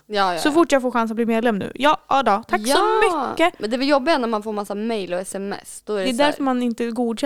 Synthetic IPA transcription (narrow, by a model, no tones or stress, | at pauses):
jɑːssɔfɔʈːjaːɡfoːɾɧans̬at̚bliːmeːd̪lɛmːnʉ̰ːjɑːʔɑd̪ɑːt̪ʰakːsɔmːʏːəmɛnd̪ɛvɛljɔbːɪɡanæɾmanfoːɾmasːamɛjlɔɛsɛmɛ̰sd̪̥ɔæɾɛd̪æɾfœɾmanɪnt̪əɡuːd̪ɕɛ